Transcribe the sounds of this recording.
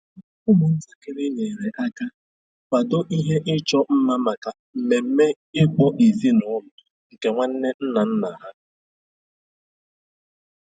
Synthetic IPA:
ʊ˦mʊ˨n̩˦za˦kɪ˦ɾi˦ɲe˨ɾe˨ʔa˦ka˦ | kʷa˨do˦ʔi˦ɦe˦ʔɪ˦t͡ʃɔ˦m̩˦ma˦ma˨ka˨ | m̩˨me˨m̩˦me˦ | ɪ˦k͡pɔ˦ʔi˨zi˦nʊ˨˦lʊ˨ | ŋ̩˨ke˨ŋʷa˦n̩˦ne˦n̩˦na˨n̩˦na˨ɦa˦

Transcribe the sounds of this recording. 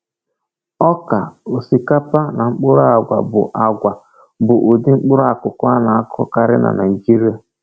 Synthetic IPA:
ɔ˦ka˨o˨si˨ka˦pa˦na˨ŋ͡m̩˦k͡pʊ˦ɾʊ˦a˨ɡʷa̰˨bʊ̰˨ʔa˨ɡʷa˨ | bʊ˨ʔo˨dɪ˦ŋ͡m̩˦k͡pʊ˦ɾʊ˦a˨kʊ˨kʊ˦a˦na˨a˦kɔ̰˦ka˦ɾɪ̰˦nʔa̰˨na˨i˨d͡ʒi˦ɾi˦a˨

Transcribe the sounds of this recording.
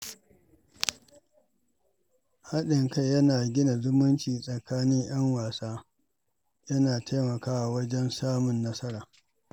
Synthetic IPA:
ha˦ɗɪ˨ŋkɐ˦jjɐ˦naː˨ɡʲɪ˦na˨zʊ˦mʊ˦nt͡ʃiː˨sʼɐ˨kaː˦nɪ˦ŋj̰ɐ˦ŋwaː˨saː˦ | jɐ˦naː˨taː˦mɐ˨kaː˦ʔa˨wɐ˦d͡ʒɛ˦nsaː˦mʊ˨nːɐ˦sɐ˦ɾaː˨

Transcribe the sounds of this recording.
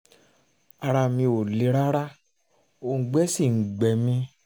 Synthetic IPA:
a˧ɾa˧mĩ˧o˨le˨˦ɾa˦ɾa˦ | o˨ŋ̩˨ɡ͡bɛ˦si˦˨ŋ̩˨ɡ͡bɛ˨mĩ˧

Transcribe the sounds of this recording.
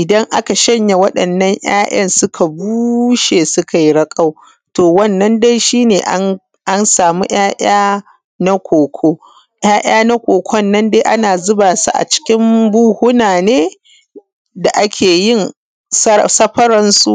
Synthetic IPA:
ʔɪ˨dɐ˦ŋʔa˦ka˨ʃɐ˦ɲja˨wɐ˦ɗɐ˨nːɐ˦ɲʔj̰aː˦ʔɐ˦nsʊ˦kʰa˨buː˦ʃeː˨sʊ˦kʰa˨ji˦ɽɐ˦kʼa˦w | toː˨wɐ˦˨nːɐ˦nda˦jʃiː˦neː˨ʔ | ʔa˦nsaː˨mi˦j̰aː˦ʔaː˦ | na˦kʷʰoː˨kʷʰoː˦ | j̰aː˦ʔaː˦na˦kʷoː˨kʷʰɔ˦nːɐ˦nde˦ʔa̰˦naː˨zʊ˦baː˨sṵ˦ʔa̰˨t͡ʃɪ̥˦kʲɪ˦mbuː˦hʊ˦naː˨neː˦ | da˨ʔa˦kʲʰeː˨jɪ˦˨n | ssɐ˦ɸɐ˦ɾɐ˦nsu˦ʔ

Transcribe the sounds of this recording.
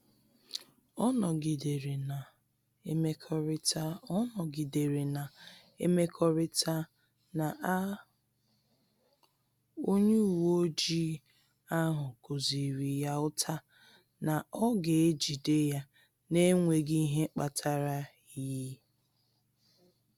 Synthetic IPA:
ɔ˦nɔ˨ɡi˨de˨ɾe˨na˨ | e˦me˦kʰɔ˦ɾɪ˦tʰa˦ɔ˦nɔ˨ɡi˨de˨ɾe˨na˨ | e˦me˦kʰɔ˦ɾɪ˦ta˦ | na˨ʔ | o˦ɲe˦u˨wo˦d͡ʒi˦ | a˦ɦʊ˨ko˨zi˨ɾi˨ja˦ʊ˦tʰa˦ | na˨ɔ˦ɡe˨e˦d͡ʒi˨de˦ja˦ | ne˦ŋʷe˨ɡi˦ɦe˦k͡pa˨tʰa˦ɾa˦ | ji˨˦

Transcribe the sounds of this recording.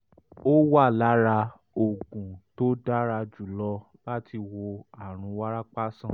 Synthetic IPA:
o˦wa˦˨la˨˦ɾa˧ | o˨ɡũ˨to˦da˦ɾa˧d͡ʒu˦˨lɔ˧ | ba˦tʰi˧wo˧a˦˨ɾ̃ũ˧˦wa˦ɾa˦k͡pa˦sã˦˨

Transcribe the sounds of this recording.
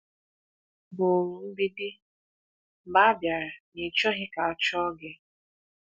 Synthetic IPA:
bʊ˨ɾu˨m̩˦bi˦dɪ˦ | ba˦bja˨ɾa˨ni˨t͡ʃɔ˦ɦɪ˦ka˨ɔ˨t͡ʃɔ˦ɡɪ˦

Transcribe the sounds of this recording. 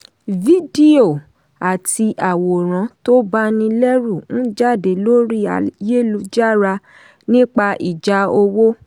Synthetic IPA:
vi˦di˦o˨ | a˨ti˧ʔa˨wo˨ɾ̃ã˨˦to˦ba˦nĩ˧lɛ˦ɾu˦˨ñ̩˦d͡ʒa˦˨de˨lo˦ɾi˦a̰˨je˦˨lu˧d͡ʒa˦˨ɾa˧ | nĩ˦k͡pa˧ʔi˨d͡ʒa˧˦o˧wo˦

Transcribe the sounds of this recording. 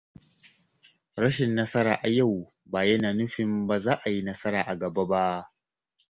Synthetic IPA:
ɽɐ˦ʃɪ˨nːɐ˦sɐ˦ɾaː˨ʔa˨ja˦˨w | baː˨jɐ˦naː˨nʊ˦ɸɪ˨mbaː˨zaː˦ʔa˨ji˦nɐ˦sɐ˦ɾaː˨ʔa˨ɡɐ˨ba˦ba˦ʔ

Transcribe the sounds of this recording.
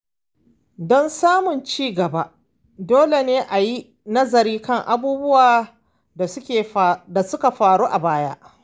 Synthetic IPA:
dɔ˦nsaː˦mʊ˨nt͡ʃiː˦ɡɐ˨ba˦ʔ | doː˦le˨neː˦ʔa˨ji˦ | nɐ˦zɐ˨ɾiː˦kɐ˦˨ŋʔa̰˨buː˦bʊ˦waː˨ | a˨sʊ˦kʲeː˨da˨sʊ˦ka˨ɸaː˨ɽuː˦ʔa˨baː˦ja̰˦ʔ

